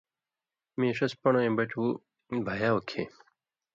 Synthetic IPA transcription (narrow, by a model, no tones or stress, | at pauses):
mẽːʂɐspɐɳoẽːbɐt͡ɕuː | bʱɐjaːokʰḛː